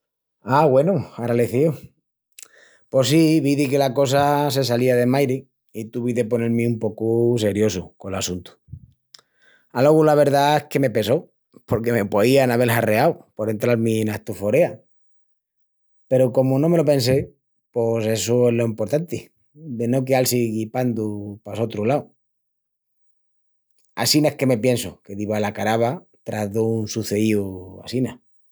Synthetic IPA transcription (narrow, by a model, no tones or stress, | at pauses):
aɣwe̞nuaɾaleθio | po̞siβiðike̞lako̞s̬ase̞s̬aliaðe̞majɾi | it̪uβiðe̞po̞ne̞ɾmĩumpo̞kus̬e̞ɾjo̞suko̞lasunt̪u̥ | alo̞ɣulaβ̞e̞ɾðae̞hke̞me̞pe̞so̞ | po̞ɾke̞me̞poianaβe̞lhare̞awpoɾe̞nt̪ɾaɾminaht̪ufo̞ɾe̞a | pe̞ɾoko̞monõme̞lope̞ns̬e̞ | pose̞suezlo̞impo̞ɾt̪ant̪i | d̪e̞no̞k̬ealsiɣipand̪upaso̞t̪ɾulaw | a̰sinaehke̞me̞pje̞nsoke̞ðiβalakaɾaβa | t̪ɾaðunsuθe̞iua̰sina